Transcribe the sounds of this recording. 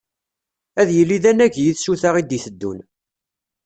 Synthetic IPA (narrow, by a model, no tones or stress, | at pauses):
æðjəlːiðænæʝjəθʃuθaʁid̪iθəd̪ːṵn